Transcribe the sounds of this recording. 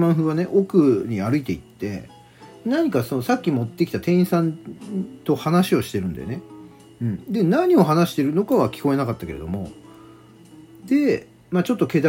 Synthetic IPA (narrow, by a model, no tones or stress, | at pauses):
mãɰ̃ɸɯ̟βane̞ʔo̞kɯ̟ɲ̟iaɾɯ̟it̪e̞it̪ːe̞̰ | naɲ̟ikaso̞no̞sakʲːimo̞t̪ːe̞kʲi̥t̪at̪ẽ̞ɰ̃sãnt̪o̞hanaɕio̞ɕi̥t̪e̞ɾɯ̟̃nd̪ḛne̞ | ɯ̟̃ɴd̪e̞naɲ̟io̞ɦanaɕi̥t̪e̞ɾɯ̟no̞kaβakʲi̥ko̞e̞nakat̪ːake̞ɾe̞d̪o̞̰mo̞ | d̪e̞ | mat͡ɕo̞t̪ːo̞ke̞d̪a